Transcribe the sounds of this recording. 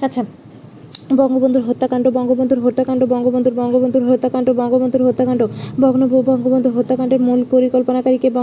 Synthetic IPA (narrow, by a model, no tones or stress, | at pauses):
atːɕʰa | bɔŋɡobond̪ʱuɾɦot̪ːakaɳɖobɔŋɡobond̪ʱuɾɦot̪ːakaɳɖobɔŋɡobond̪ʱuɾbɔŋɡobond̪ʱuɾɦot̪ːakaɳɖobɔŋɡobond̪ʱuɾɦot̪ːakaɳɖobɔɡnobobɔŋɡobond̪ʱuɾɦot̪ːakaɳɖeɾmulpoɾikolponakaɾikebɔ